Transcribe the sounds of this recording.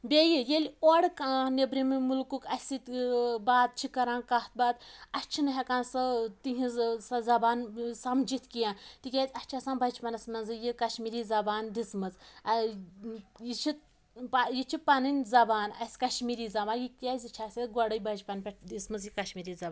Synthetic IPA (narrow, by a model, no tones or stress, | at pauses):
bʲejijelʲoɽkanʲebɾimɨmulkukɐsʲit̪ʲbaːd̪̚t͡ʃʰikɐɾãːnkaht̪̚baːd̪ɐt͡ʃʰinɨɦʲekaːnsɐt̪iɦĩsɐzɐbaːnsɐmd͡ʒit̪ʰʲkijãːt̪ikʲaːzʲɐt͡ʃʰasãːnbɐd͡ʒʲpɐnɐsmɐnzɨjikɐʃmiːɾiːzɐbaːnd̪ismɐz | jit͡ʃʰit | pajit͡ʃʰipɐnɨnʲzɐbaːnɐsʲkɐʃmiːɾiːzɐbaːjikʲazʲit͡ʃʰaːsʲiɡoɽɐjbɐd͡ʒpɐnpʲeʈʰd̪ismɨzjikɐʃmiːɾizɐbaːn